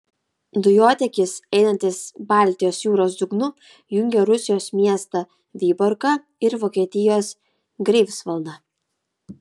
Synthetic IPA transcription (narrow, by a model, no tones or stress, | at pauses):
d̪ʊjoːt̪ʲɛkʲɪsɛɪnɐnʲt̪ʲɪsbɑˑlʲt̪ʲɪjoːsjuːɾoːs̬d̪ʊɡnʊ | jʊŋʲɡʲɛɾʊsʲɪjoːsmʲiɛst̪ɑ | ʋʲiːbɔɾkɐ | ɪɾʋoːkʲiɛt̪ʲɪjoːs | ɡɾʲɛɪfsʋɐlˠd̪ɐ